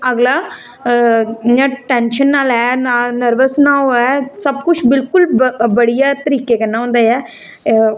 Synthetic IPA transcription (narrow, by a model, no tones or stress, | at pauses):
əɡlaː | ɲãːʈɛ̃ːnʃənːaːlɛːnaːnəɾʋəsnãːoɛːsəb̚kʊt͡ʃʰbɪlkʊlbəɽijaːt̪əɾiːkeːkənːãːɦʊ̃ːnd̪aːɛː